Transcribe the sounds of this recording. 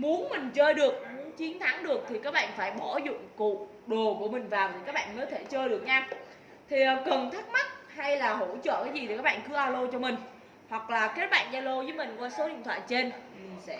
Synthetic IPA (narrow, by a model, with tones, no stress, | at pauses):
mu˨˦ənmï˨˩ŋ̟t͡ɕəː˧jɗɨ˨˩ək̚mu˨˦ənt͡ɕi˨˦ənt̪ʰa˨˦ŋɗɨ˨˩ək̚t̪ʰi˨˩kaː˦˥k̚ɓa̰ː˧˨nfaː˧˩jɓɔ˧˩zʊ̰˧˨ŋ͡mkṵ˧˨ | ɗo˨˩ku˧˩əmï˨˩ŋ̟vaː˨˩wt̪ʰi˨˩kaː˦˥k̚ɓa̰ː˧˨nməː˨˦jt̪ʰe˧˩t͡ɕəː˧jɗɨ˨˩ək̚ɲaː˧ | t̪ʰi˨˩ʔə˨˦kə˨˩nt̪ʰi˦˥k̚ma˦˥t̚ha˧jlaː˨˩ɦo˧˩t͡ɕə̰ː˧˨kaː˨˦jzi˨˩t̪ʰkaː˦˥ɓa̰ː˧˨nkɨ˨˦ʔaː˧wlo˧t͡ɕɔ˧mï˨˩ŋ̟ | hwa˨˩k̚laː˨˩keː˦˥t̚ɓa̰ː˧˨nzaː˧wlo˧zə˨˦jmï˨˩ŋ̟kwaː˧so˨˦ɗḭ˧˨nt̪ʰwa̰ː˧˨jt͡ɕe˧nmi˨˩ŋ̟sɛ̰˧˥